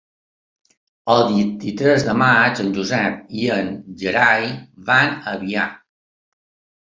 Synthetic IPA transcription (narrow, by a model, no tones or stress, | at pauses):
əlˠdint̪it̪ɾɛzd̪əmat͡ʃənʲʒuzɛp̚iənʒəɾajβanəβia